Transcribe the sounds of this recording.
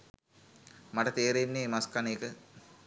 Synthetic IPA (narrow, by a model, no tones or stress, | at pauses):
mɐʈət̪eːɾenːeːmaskaneːkə